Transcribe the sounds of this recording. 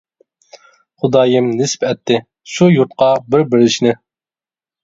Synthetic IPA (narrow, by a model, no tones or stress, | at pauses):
χʊd̪ɑːjɪmnɪspɛt̪ʰːɪ | ʃujuɾt̪̚qɑbɪɾbɪɾɪʃnɪ